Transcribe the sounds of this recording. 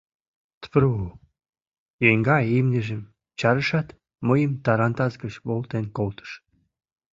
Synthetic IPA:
t̪pɾuu | jeŋɡɑimnʲəʒə̆m | t͡ɕɑɾəʃɑt̪ | məjəmt̪ɑɾɑnt̪ɑzɡət͡ɕβolt̪enkolt̪ə̥ʃ

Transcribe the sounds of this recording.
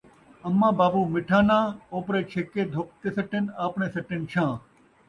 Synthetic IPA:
ɐmːãːbaːbuːmɪʈʰãːnãːoːpɾeːt͡ʃʰeːkeːd̪ʱoːk̚t̪eːsɐʈɪnaːpneːsɐʈɪnt͡ʃʰãː

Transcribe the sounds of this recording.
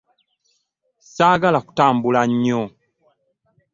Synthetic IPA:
saɡalaku̥taːmbulaɲɔ

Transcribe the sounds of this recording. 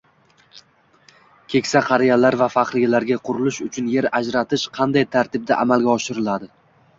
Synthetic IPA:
kʲʰe̞kʲsaqʰɑɾɪjalaɾvafaχɾɪɡʲalaɾɡʲaqʰʊɾʊlɪʃʊt͡ʃʰʊnje̞ɾad͡ʒɾat̪ʰɪʃqʰɑnd̪ajt̪ʰaɾt̪ʰɪb̚d̪a̰ʔamalˠɡʲaɒʃɪɾɪlad̪ɪ

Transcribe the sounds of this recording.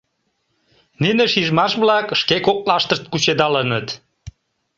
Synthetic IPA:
nineʃiʒmɑʃβlɑkʃkekok̚lɑʃt̪əʃt̪̚kut͡ɕed̪ɑlənət̪

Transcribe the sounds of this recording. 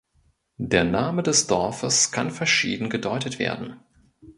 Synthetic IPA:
d̥eːɐnaːmədɛsd̥ɔɐfəskʰanfɛɐʃiːdn̩ɡədɔʏtətv̥ḛːɐdn̩

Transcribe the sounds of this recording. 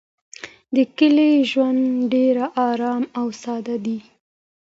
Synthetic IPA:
d̪əkəleʒwand̪ɖeɾaʔɑɾɑmawsɑd̪ad̪i

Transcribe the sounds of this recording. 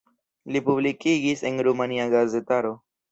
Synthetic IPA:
lipublikiɡise̞nɾumaniaɡaze̞taɾo̞

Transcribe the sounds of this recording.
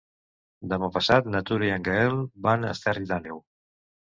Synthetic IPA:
d̪əmapəsat̪nat̪uɾiəŋɡaelbanəst̪ɛriðanew

